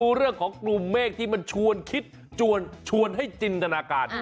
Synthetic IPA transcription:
uː˧ɾɯ˥˩əŋkʰɔː˩˦ŋklu˨˧mːeː˥˩k̚t̪ʰiː˥˩ma˧nt͡ɕʰu˧ənkʰi˦˥t̪̚ | t͡ɕʰu˧ənt͡ɕʰu˧ənɦa˥˩jt͡ɕi˧nt̪a˧naː˧kaː˧n

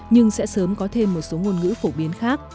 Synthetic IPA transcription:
ɲɨ˧ŋsɛ̰˧˥səː˨˦mkɔ˨˦t̪ʰe˧mːo˨˩t̚so˨˦ŋo˨˧˩nŋɨ̰˧˥fo˧˩ɓi˨˦ənxaː˦˥k̚

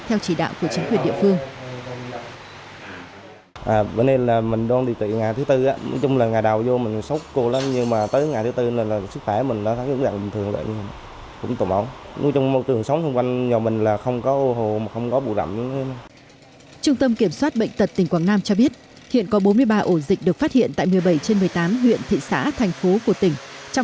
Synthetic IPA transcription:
t̪ʰɛ˧wt͡ɕi˧˩ɗa̰ː˧˨wku˧˩ət͡ɕi˨˦kwi˨˩ənɗḭ˧˨əfɨ˧əŋ | ʔaː˨˩ɓe˧nɗe˧nlaː˨˩mï˨˩ŋ̟ɗwaː˧nɗi˨˩t̪ḭ˧˨ŋaː˨˩t̪ɨ˨˦t̪ɨ˧ʔaː˨˦n̰˧˦t͡ɕʊ˧ŋ͡mlaː˨˩ŋaː˨˩jɗa˨˩wzo˧mï˨˩ŋ̟sə˦˥wk͡p̚ko˧laː˨˦mɲɨ˧maː˨˩t̪əː˨˦jŋaː˨˩jt̪ʰt̪ɨ˧n˨˩lːsɨ˦˥k̚xwɛ˧˩˨mï˨˩ŋ̟ɗɔ˨˦t̪ʰaː˨˦˥zʊ̰˧˥za̰˧˩ŋɓi˨˩ŋt̪ɨ˨˩əŋlə̰ː˧˨ɲɨ˧˨ | kʊ̰˧˥ŋ͡mt̪o˧˩mʔə˨˦wn̰˨˧˦t͡ɕwŋ͡mo˧˦t̪ɨ˨˩əŋsə˨˦wŋ͡mt̪ʰə˧ŋ͡mkwa˧ŋzɔ˨˩mï˨˩ŋ̟laː˨˩xə˧wŋ͡mkɔ˨˦ʔo˧ɦo˨˩maː˨˩xə˧wŋ͡mkɔ˨˦ɓṵ˧˨zə̰˧˩m˨˦˧na˧ | t͡ɕʊ˧ŋ͡mt̪ə˧mki˧˩əmswaː˦˥t̚ɓə̰˧˨ŋ̟t̪ə˨˩t̚t̪i˨˩ŋ̟kwaː˧˩ŋnaː˧mt͡ɕɔ˧ɓi˦˥ət̚ | hḭ˧˨ənkɔ˨˦ɓo˨˦nmɨ˧əjɓaː˧ʔo˧˩zï˨˩k̚ɗɨ˨˩ək̚faː˦˥t̚hḭ˧˨ənt̪a̰ː˧˨jmɨ˨˩əjɓə˧˩jt͡ɕe˧nmɨ˨˩əjt̪aː˨˦mɦwḭ˧˨ənt̪ʰḭ˧˨sa̰ː˧˥t̪ʰɛ˨˩jŋ̟fo˨˦ku˧˩ət̪ï˧˩ŋ̟t͡ɕa˧w

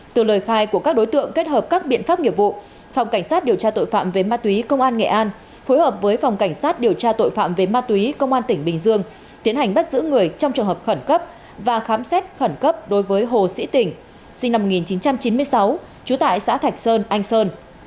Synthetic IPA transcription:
t̪ɨ˨˩ləː˨˩jxaː˧jku˧˩əkaː˦˥k̚ɗo˨˦jt̪ɨ̰˧˨əŋke˦˥t̚həː˨˩p̚kaː˦˥k̚ɓḭ˧˨ənfaː˦˥p̚ŋi˨˩əp̚vṵ˧˨ | fa˨˩wŋ͡mka˧˩ŋ̟saː˦˥t̚ɗi˨˩əwt͡ɕaː˧t̪o̰˧˨jfa̰ː˧˨mve˨˩maː˧t̪wi˨˦kə˧wŋ͡mʔaː˧nŋḛ˧˨ʔaː˧n | fo˨˦jhəː˨˩p̚vəː˨˦jfa˨˩wŋ͡mka˧˩jŋ̟saː˦˥t̚ɗi˨˩əwt͡ɕaː˧t̪o̰˧˨jfa̰ː˧˨mve˨˩maː˧t̪wi˨˦kə˧wŋ͡mʔaː˧nt̪ï˧˩ŋ̟ɓï˨˩ŋ̟zɨ˧əŋ | t̪i˨˦ənha˨˩jŋ̟ɓə˦˥t̚zɨ̰˧˥ŋɨ˨˩əjt͡ɕɔ˧wŋ͡mt͡ɕɨ˨˩əŋɦəː˨˩p̚xə˧˩nkə˦˥p̚ | vaː˨˩xaː˨˦msɛ˦˥t̚xə˧˩nkə˦˥p̚ɗo˨˦jvəː˨˦jɦo˨˩sḭ˧˥t̪ï˧˩ŋ̟ | si˧ŋna˧mː˨˩t̚ŋi˨˩nt͡ɕi˨˦nt͡ɕa˧mt͡ɕi˨˦mɨ˧əjsa˨˦w | t͡ɕu˨˦t̪a̰ː˧˨jsa̰ː˧˥t̪ʰa˨˩jk̟̚səː˧nʔa˧jŋ̟səː˧n

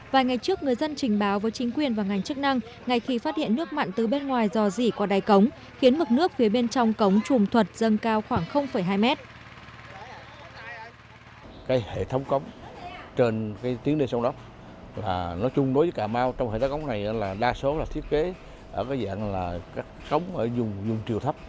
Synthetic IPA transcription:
vaː˨˩jŋa˨˩jt͡ɕɨ˦˥ək̚ŋɨ˨˩əjzə˧nt͡ɕï˨˩ŋ̟ɓaː˨˦wvəː˨˦jt͡ɕï˨˦ŋ̟kwi˨˩ənvaː˨˩wŋa˨˩jŋ̟t͡ɕɨ˦˥k̚na˧ŋ | ŋa˨˩jxi˧faː˦˥t̚hḭ˧˨ənːɨ˦˥ək̚ma̰˧˨nt̪ɨ˨˩ɓe˧nŋwaː˨˩jzɔ˧˩zi˧˩kɔ˨˦ɗaː˨˩jkə˨˦wŋ͡m | xi˨˦ənmɨ˨˩k̚nɨ˦˥ək̚fi˨˦ɓe˧nt͡ɕɔ˧wŋ͡mkə˨˦wŋ͡mt͡ɕʊ˨˩ŋ͡mt̪ʰwə˨˩t̚z̥ə˧nkaː˧wxwaː˧˩ŋxə˧wŋ͡mfə˧˩jɦaː˧jmɛ˦˥t̚ | kaː˨˦jhḛ˧˨t̪ʰə˨˦wŋ͡mkə˨˦wŋ͡mt͡ɕe˧nkaː˨˦jt̪i˨˦əŋɗe˧nsɔ˧ŋ͡mɗa˦˥p̚ | laː˨˩nɔ˨˦t͡ɕʊ˧ŋ͡mɗo˨˦jvə˨˦kaː˧˩maː˧wt͡ɕɔ˧wŋ͡mhḛ˧˨˩ŋ͡mkʰːə˦wŋ͡mna˨˩jʔaː˨˦laː˨˩ɗaː˧so˨˦laː˨˩t̪ʰi˦˥ət̚ke˨˦ | ʔəː˧˩kaː˨˦jza̰ː˧˨nlaː˨˩kaː˦˥k̚ːə˨˦wŋ͡məː˧˩zʊ˨˩ŋ͡mzʊ˨˩ŋ͡mt͡ɕi˨˩əwt̪ʰə˦˥p̚

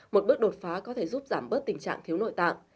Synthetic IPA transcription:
mo˨˩t̚ɓɨ˦˥ək̚ɗo˨˩t̚faː˨˦kɔ˨˦t̪ʰe˧˩zu˦˥p̚zaː˧˩mɓə˦˥t̚t̪ï˨˩ŋt͡ɕa̰ː˧˨ŋt̪ʰi˦no̰˧˨jt̪a̰ː˧˨ŋ

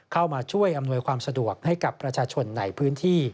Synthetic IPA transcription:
kʰa˥˩wmaː˧t͡ɕʰu˥˩əjʔa˧mnu˧əjkʰwaː˧msa˧du˨˩ək̚ha˥˩jka˨˩pːɾa˧t͡ɕʰaː˧t͡ɕʰo˧nːa˨˩jpʰɯː˦˥nt̪ʰiː˥˩

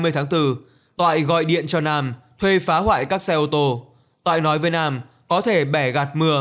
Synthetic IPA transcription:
mɨ˧t̪ʰaː˨˦ŋt̪ɨ˧˩ | t̪wa̰ː˧˨jɣɔ̰˧˨jɗḭ˧˨ənt͡ɕɔ˧naː˧mt̪ʰwe˧faː˨˦hwa̰ː˧˨jkaː˦˥k̚sɛ˧ʔo˧t̪o˧ | t̪wa̰ː˧˨jnɔ˨˦jvəː˨˦jnaː˧m | kɔ˨˦t̪ʰe˧˩ɓɛ˧˩ɣa˨˩t̚mɨ˧˩ə

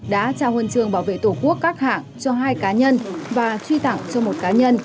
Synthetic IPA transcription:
ɗa̰ː˧˥t͡ɕaː˧˩hwə˨˩nt͡ɕɨ˨˩əŋɓaː˧˩wvḛ˧˨t̪o˧˩ku˦˥əkːaː˦˥k̚ha̰ː˧˨ŋt͡ɕɔ˧ɦaː˧jkaː˨˦ɲə˧nvaː˨˩t͡ɕwi˧t̪a̰˧˨ŋt͡ɕɔ˧mo˨˩t̚kaː˨˦ɲə˧n

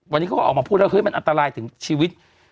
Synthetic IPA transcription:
a˧nːiː˦˥kːʔɔː˨˩kmaː˧pʰuː˥˩t̚laː˦˥˩ɦɨː˨˦˥jma˧nʔa˧nt̪aː˧laː˧jt̪ʰɯ˨˩˦ŋt͡ɕʰiː˧wi˦˥t̪̚

